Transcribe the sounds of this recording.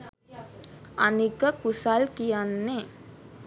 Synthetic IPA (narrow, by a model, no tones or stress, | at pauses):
anikəkusalkijanːe